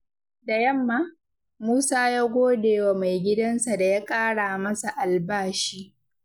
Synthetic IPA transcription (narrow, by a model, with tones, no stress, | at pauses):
da˨jɐ˦mːaː˦ | muː˦saː˦jaː˦ɡʷoː˦deː˨wa˨ma˨jɡʲɪ˦dɐ˦nsa˨da˨ja˦kʼaː˦ɽaː˨mɐ˦sa˨ʔa˨lbaː˦ʃiː˦